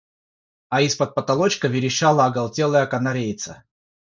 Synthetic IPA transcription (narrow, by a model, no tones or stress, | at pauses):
ɐispət̪̚pət̪ɐlˠot͡ɕkəvʲɪɾʲɪɕalˠɐːɡɐlˠtʲelˠəjəkɐnɐɾʲejt̪sə̰